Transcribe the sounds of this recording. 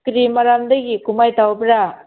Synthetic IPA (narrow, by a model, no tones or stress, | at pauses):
kɾimaɾamdɐɡikumajtawbɾa